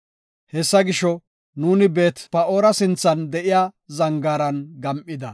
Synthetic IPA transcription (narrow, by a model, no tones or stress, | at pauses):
hɛsːɐɡɪʃɔ | nuːnɪbe̞ːt̪pɐo̞ːɾɐsɪnt͡sːɐnd̪ɛʔɪjaːzɐŋɡaːɾɐnɡɐmʔɪd̪ɐ